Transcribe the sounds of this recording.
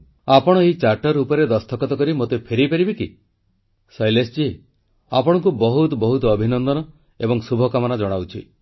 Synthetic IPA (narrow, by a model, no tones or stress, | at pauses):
apɔɽ̃ɔeɦit͡ʃaɾʈɔɾupɔɾed̪ɔst̪ʰɔkɔt̪ɔkɔɾimot̪epʰeɾipaɾibiki | sɔjlesd͡ʒi | apɔɽ̃ɔŋkubɔɦut̪ɔbɔɦut̪ɔːbʱinɔnd̪ɔnɔ | ebɔŋsubʱɔkamɔnad͡ʒɔɽ̃awt͡ʃʰḭ